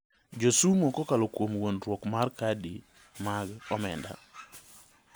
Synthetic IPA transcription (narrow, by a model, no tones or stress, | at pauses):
d͡ʒosumokɔkalokwomwonɾwɔkmarkadi | maɡɔmɛ̰nda̰